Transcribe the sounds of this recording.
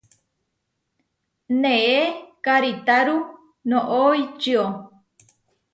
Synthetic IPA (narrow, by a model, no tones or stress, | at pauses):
nẽekaɾit̪aɾu | nõʔojt͡ʃɨo